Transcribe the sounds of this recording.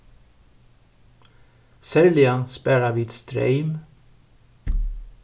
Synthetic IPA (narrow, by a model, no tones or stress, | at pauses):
sɛlɪɑnspæɾɑʋɪt̪st̪ɾœ̰ɪm